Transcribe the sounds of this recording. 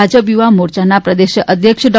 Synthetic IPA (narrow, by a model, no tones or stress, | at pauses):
ad͡ʒəp̬juʋamoɾt͡ʃanapɾəd̪eʃəʔəd̪ʱjəkʃəɖɔ